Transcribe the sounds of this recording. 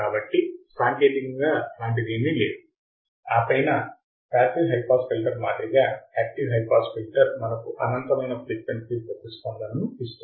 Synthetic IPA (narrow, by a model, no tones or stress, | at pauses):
kaːbɐʈːisaːŋkeːʈikɐŋɡaːlaːɳʈ̬id̪iːmileːd̪u | aːpɐjnɐ | paːsilɦɐjpaːskilʈɐɾmaːd̪ɾiɡaːhaːp̚ʈiɦɐjpaːsfilʈɐɾmɐnɐkuʔɐnɐnt̪ɐmɐjnɐplik̚meɳʈkisbɐt̪ːist̪oːnd̪ɐnːuist̪u